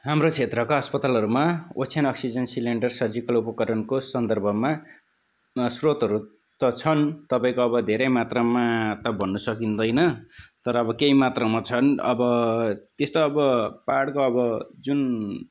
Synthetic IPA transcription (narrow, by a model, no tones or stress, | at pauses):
ɦamrot͡sʰet̪rʌkaʌspʌt̪alʌɾumaot͡sʰanʌksid͡zʌnsileɳɖʌrsʌrd͡zikʌlupʌkʌɾʌnkosʌnd̪ʌrbʱʌma | srot̪ʌɾu | t̪ʌt͡sʰʌnt̪ʌpãĩkoʌbʌd̪ʱeɾʌjmat̪rʌmat̪ʌbʱʌnːusʌkind̪ʌjnʌt̪ʌɾʌːbʌkejmat̪rʌmat͡sʰʌnʌbʌt̪est̪oʌbʌpaɽkoʌbʌd͡zun